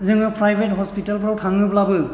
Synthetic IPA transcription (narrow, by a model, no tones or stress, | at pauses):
zɯŋɯpʰɹajbʱetɦɔspitalpɹawtʰaŋɯplabɯ